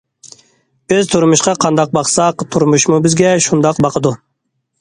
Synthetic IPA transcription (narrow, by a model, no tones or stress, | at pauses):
bɪzt̪ʰuɾmuʃqɑqʰɑnd̪ɑq̚bɑqsɑqt̪ʰuɾmuʃmubɪzɡʲɛʃund̪ɑqbɑqʰəd̪u